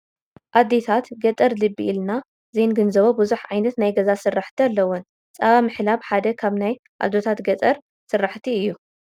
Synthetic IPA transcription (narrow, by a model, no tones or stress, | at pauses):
ʔad̪et̪ʰat̪ɡɐt̪ʼɐɾlɨbːḭʔilna | zenɡɨnzɐβobɨzuħʕajnɐt̪najɡɐzasɨrːaħt̪ʰialːɐwʊn | sʼɐβamɨħlaβħad̪ɐkʰaβnaj | ʔa̰d̪ot̪ʰat̪ɡɐt̪ʼɐɾ | sɨrːaħt̪ʰiɨjːu